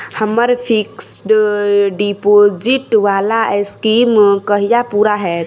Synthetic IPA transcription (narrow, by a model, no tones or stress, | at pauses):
həməɾpʰiksʈɖipod͡ʒɪʈʋaːlaskimkəɦijapuːɾaɦɛː